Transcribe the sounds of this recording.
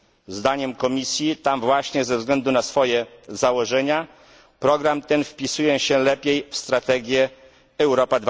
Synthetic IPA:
zd̪aɲɛmkɔmʲisʲjit̪amvwaɕɲɛzɛvzɡlɛnd̪unasfɔjɛzawɔʐɛɲa | pɾɔɡɾamt̪ɛnfpʲisujɛɕɛlɛpʲjejfst̪ɾat̪ɛɡʲjɛː | wɾɔpad̪v

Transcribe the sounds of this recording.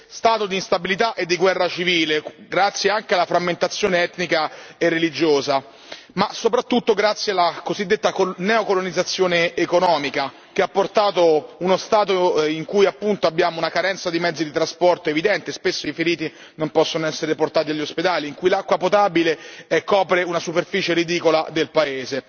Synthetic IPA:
st̪aːt̪od̪inst̪abilit̪aʔed̪ːiɡwɛrːat͡ʃiviːleɡɾat̪sːjeaŋkealːafɾamːent̪at̪sːjoːneɛt̪nikaerːelid͡ʒoːza | masopɾat̪ːut̪ːoɡɾat̪sːjealːakozid̪ːet̪ːakonɛokolonid̪zːat̪sːjoːneːkonɔːmika | k̟eapːort̪aːt̪ounost̪aːt̪̬oiŋkujapːunt̪oabːjaːmounakaɾɛnt̪sad̪imɛd̪zːid̪it̪ɾaspɔrt̪oevid̪ɛnt̪espesːoifeɾiːt̪i | nompɔsːonoɛsːeɾeport̪aːt̪iaʎːosped̪aːliːŋkujlakːwapot̪abileɛkɔːpɾeunasuperfiːt͡ʃeɾid̪iːkola̰d̪elpaeːze

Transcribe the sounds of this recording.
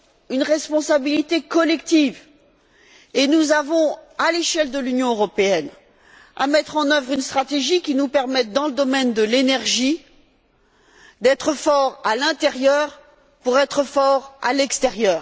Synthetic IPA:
ynʁɛspɔ̃sabilit̪ekɔlɛkt̪iv | enuzavɔ̃aleʃɛld̪əlynjɔ̃øʁɔpeɛn | a̰mɛt̪χɑ̃nœvʁynst̪χat̪eʒikʲinupɛʁmɛt̪̚d̪ɑ̃ləd̪ɔmɛnd̪əlenɛʁʒi | d̪ɛt̪χəfɔʁalɛ̃t̪ɛʁjœːʁ | puʁɛt̪χəfɔʁa̰lɛkst̪eʁjœːʁ

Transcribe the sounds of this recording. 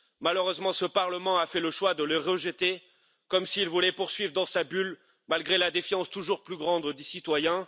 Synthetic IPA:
maləʁøzmɑ̃səpaʁləmɑ̃afɛləʃwad̪ələʁəʒət̪e | kɔmsiːlvulɛpuʁsɥivʁd̪ɑ̃sabyl | malɡʁelad̪efjɑ̃st̪uʒuʁplyɡʁɑ̃d̪d̪isit̪wajɛ̃

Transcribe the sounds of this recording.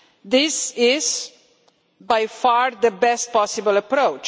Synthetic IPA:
d̪ɪsɪz | bajfaɹðəbɛst̚pɔsɪbəlɐpɾoʊt͡ʃ

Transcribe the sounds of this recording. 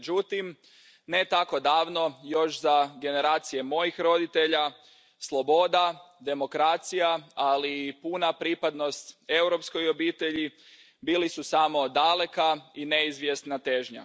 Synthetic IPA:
d͡ʒut̪im | ne̞t̪ako̞d̪aːʋno̞jo̞ʃzaɡe̞ne̞ɾaːt̪sije̞mo̞jixɾo̞d̪it̪e̞ʎa | slˠo̞bo̞d̪ad̪e̞mo̞kɾat̪sijaalipunapɾipad̪no̞st̪e̞wɾo̞psko̞jobiːt̪e̞ʎi | biːlisusamo̞d̪ale̞kaineizʋjesnat̪e̞ʒɲa̰

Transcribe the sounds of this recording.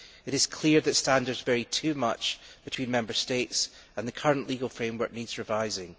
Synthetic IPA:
ɪɾɪz̥kʰl̥iɹðətstãndə˞dzvɛɹitʰʉːmʌt͡ʃb̥ɪtʰw̥ĩnmɛ̃mbə˞stets | ə̃nðəkʰʌɹə̃nʔlˠiɡəlˠfɹẽmwə˞k̚nidz̥ɹɪvaɪzɪ̃ŋ

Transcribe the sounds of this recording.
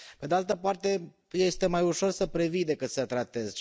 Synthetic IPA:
pe̞d̪ealt̪əpart̪e̞ | je̞st̪e̞majuʃo̞rsəpɾe̞vid̪e̞kɨt̪sət̪ɾat̪e̞z

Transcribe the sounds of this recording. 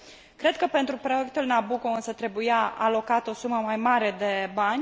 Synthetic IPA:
kɾe̞d̪̚kəpe̞nt̪ɾupɾo̞jek̚t̪ulnabukoɨnsət̪ɾe̞bujaa̰lo̞kat̪o̞suməmajmaɾe̞d̪e̞banʲ

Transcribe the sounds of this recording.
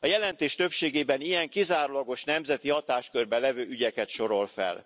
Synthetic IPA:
ɒjɛlɛnt̪eːʃt̪ø̞pʃeːɡeːbɛnijɛŋkizaːɾulɒɡo̞ʃnɛmzɛt̪ihɒt̪aːʃkørbɛlɛvøːʔyɟɛkɛt̪ʃo̞ɾo̞lfɛ̰l

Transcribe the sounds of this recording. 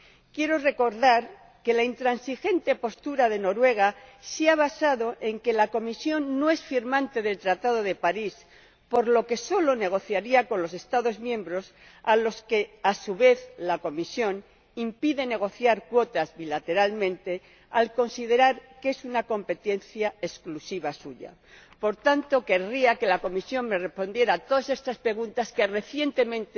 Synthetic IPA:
kje̞ɾo̞re̞ko̞ɾðaɾ | ke̞laint̪ɾansixe̞nt̪e̞po̞st̪uɾað̞e̞no̞ɾwe̞ɣ̞asiaβ̞asaðo̞ʔe̞ŋke̞lako̞misjo̞nːoe̞sfiɾmãnt̪e̞ðe̞lt̪ɾat̪að̞o̞ðe̞paɾis | po̞ɾlo̞ke̞so̞lo̞ne̞ɣ̞o̞θjaɾiako̞nlo̞se̞st̪aðo̞zmjẽ̞mbɾo̞s | alo̞ske̞asuβe̞θlako̞misjo̞n | impiðe̞ne̞ɣ̞o̞θjaɾkwot̪azβilat̪e̞ɾalmẽnt̪e̞ | alko̞nsið̞e̞ɾaɾke̞sunako̞mpe̞t̪e̞n̟θjae̞sklusiβ̞asuʝa̰ | po̞ɾt̪ant̪o̞ke̞riake̞lako̞misjo̞ŋme̞respo̞nd̪je̞ɾaːt̪o̞ðase̞st̪aspɾe̞ɣ̞unt̪aske̞re̞θje̞nt̪e̞mẽnt̪e

